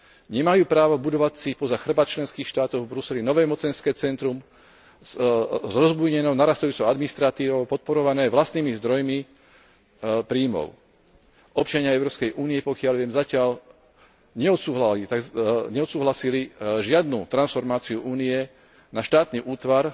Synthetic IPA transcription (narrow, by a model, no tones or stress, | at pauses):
ɲɛmajuːpɾaːʋɔbud̪ɔʋasipɔzaxr̩bat͡ʃlɛnskiːxʃt̪aːt̪ɔʊvbɾusɛlinɔʋɛːmɔt͡sɛnskɛːt͡sɛnt̪ɾum | zɾɔzbujɲɛnɔʊnaɾast̪ajuːt͡sɔʊad̪minist̪ɾat̪iːʋɔʊpɔt̪̚pɔɾɔʋanɛːʋlast̪niːmizd̪ɾɔjmi | pɾiːmɔ̰ʊ | ʔɔp̚t͡ʃaɲɪaɛʊɾɔpskɛjʔuːniɛpɔkɪalʋɪɛmzacɪaʎ | ɲɛɔt̪suːɦlalit̪aɡɲɛɔt̪suːɦlasiliʒɪad̪nuːt̪ɾansfɔɾmaːt͡siuʔuːniɛ | naʃt̪aːt̪niʔuːt̪ʋaɾ